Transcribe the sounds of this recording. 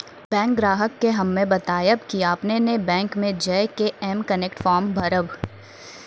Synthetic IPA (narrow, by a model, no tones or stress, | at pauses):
bɛ̃ːŋk̚ɡɾaːɦəkːeɦɐmːẽbɐt̪aːjəbkiaːpnenebɛ̃ːŋkmẽd͡ʒeːkeɛːmkəneːkʈfɔːɾmbʱɐɾəb